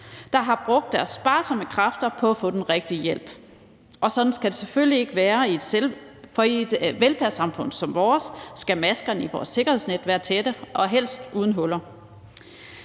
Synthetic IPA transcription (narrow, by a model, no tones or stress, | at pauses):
d̥ɑ̈ɦɑ̈b̥ʁɔɡ̥̚d̥ːæɐsːb̥ɑ̈ːsɒ̽məkʰʁɑfd̥ɐpʰɒ̽æfɔ̽ːd̥enʁɛɡ̥̚d̥ijel̰b̥ | ʔɒ̽sɒ̽d̥n̩sɡ̥æd̥e̝seføl̰lie̝ɡ̥əʋæːɐi̥ | ɒ̽ied̥ʋelfæɐsɑ̈mfɔ̽n̰sɒ̽mʋɒːsːɡ̥æmæsɡ̥ɐniʋɒ̰ːsːe̝ɡ̥ɐhe̝̰sned̥ʋæːɐt͡sʰed̥əʔɒ̽ɦel̰sd̥uðˠn̩ɦɔ̽lɐ